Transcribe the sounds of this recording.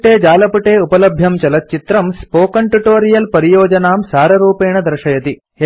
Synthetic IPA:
ʈeːd͡ʒaːlɐpuʈeːupɐlɐbʱjɐmt͡ʃɐlɐt̪ːt͡ʃit̪ɾɐmspoːkɐɳʈuʈoːɾijɐlpɐɾijoːd͡ʒɐnaːmsaːɾɐɾuːpeːɳɐd̪ɾɐʃɐjɐt̪i

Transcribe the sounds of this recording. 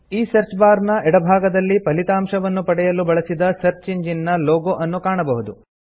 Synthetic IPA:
iːsɐɾt͡ʃbaːɾnɐɛɽɐbʱaːɡɐd̪ɐlːipɐlit̪aːmʃɐʋɐnːupɐɽɛjɐlubɐɭɐsid̪ɐsɐɾt͡ʃiɲd͡ʒinːɐloːɡoʔɐnːukaːɳɐbɐɦud̪u

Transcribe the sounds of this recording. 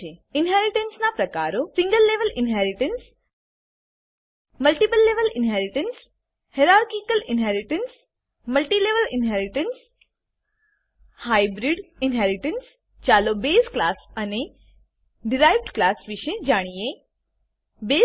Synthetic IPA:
eɪnɦɛːɾiʈənsnapɾɐkaːɾosĩŋɡəlːeːʋəlɪnɦɛːɾɪʈəns | mɐlʈipəlːeːʋəlɪnɦɛːɾiʈəns | heɾaːɾkikəlɪnɦɛːɾiʈəns | mɐlʈileːʋəlɪnɦɛːɾɪʈəns | haːjbɾiɖinɦɛːɾiʈəns | t͡ʃaːlobeːsklaːsɐne | ɖiɾaːjʋɖklaːsʋiʃed͡ʒaːɽ̃ije | beː

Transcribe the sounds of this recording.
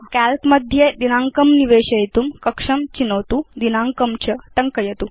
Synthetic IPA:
kælkmɐd̪ʱjed̪inaːŋkɐmniʋeːɕɐjit̪umkɐkʂɐmt͡ɕinɐwt̪ud̪inaːŋkɐmt͡ɕɐt̪ɐŋkɐjɐt̪u

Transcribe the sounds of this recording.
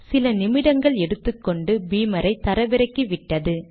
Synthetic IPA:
sɪlɐnɪmɪɽɐŋɡɐɭɛɽɯt̪ːɯkːɔɳɖɯbiːmɐɾɐɪt̪ɐɾɐʋɪɾɐkːɯʋɪʈːɐðɯ

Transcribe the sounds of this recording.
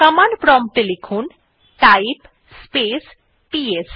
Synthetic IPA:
kɐmanpɾɔmt̪elekʰun | ʈajp | spes | pies

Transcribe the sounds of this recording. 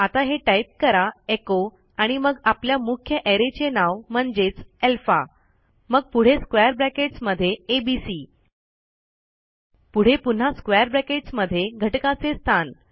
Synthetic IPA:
at̪aɦeʈaip̚kəɾaeko | aɽ̃iməɡapljamukʰjəʔeɾet͡ɕenaʋm̤əɳd͡ʑet͡selfa̰ | məɡ̚puɽ̤eskʋejəɾbɾɛkeʈsməd̪ʱːjeebisi | puɽ̤epun̤askʋejəɾbɾɛkeʈsməd̪ʱːjeɡʱəʈkat͡sest̪ʰan

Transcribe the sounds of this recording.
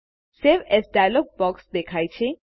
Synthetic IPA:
seʋesɖajlɔɡ̚bɔksd̪ekʰaːjt͡ʃʰẽ

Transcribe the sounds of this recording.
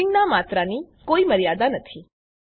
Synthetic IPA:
ɪŋɡnamat̪ɾanikoiməɾijad̪anət̪ʰi

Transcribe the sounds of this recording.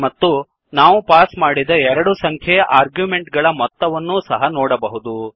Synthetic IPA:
mɐt̪ːu | naːʋupaːsmaːɽid̪ɐɛɾɐɽusɐŋkʰjeʔaːɾɡjume̞ɳʈɡɐɭɐmɔt̪ːɐʋɐnːusɐɦɐnɔːɽɐbɐɦud̪u

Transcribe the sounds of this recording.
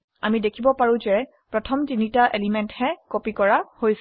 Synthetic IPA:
a̰midekʰibɔpaɹũzɛ | pɹɔtʰɔmtinitaʔelimɛnthɛkopikɔɹahojs

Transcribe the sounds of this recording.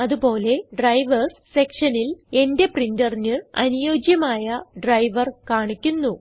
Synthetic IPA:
ɐðupo̞ːle̞ɖrɐjʋɐrssekʂɐnile̞nde̞prindɐrnɨɐ̰nujo̞ːd͡ʑjɐmaːjɐɖrɐjʋɐrkaːɳikʲːunːu

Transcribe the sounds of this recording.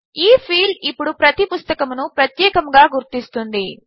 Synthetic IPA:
iːpʰiːlipːuɽupɾɐt̪ipust̪ɐkɐmunupɾɐt̪jɛːkɐmɡaːɡuɾt̪ist̪und̪i

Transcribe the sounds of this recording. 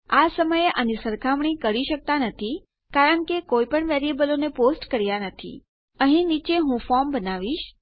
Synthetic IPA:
asəməjeʔanisəɾkʰaʋɳikəɾiʃək̚t̪anət̪ʰi | kaɾəɳkekoipəɳʋɛɾijebəloneposʈkəɾjanət̪ʰḭ | əɦĩnit͡ʃeɦũfɔɾmbənaʋiʃ

